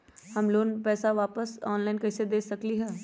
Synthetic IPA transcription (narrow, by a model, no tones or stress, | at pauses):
hɐmloːnpɛːsaʋaːpəsɔːnlaːɪnkɐɦsed̪eːsɐkliɦɛː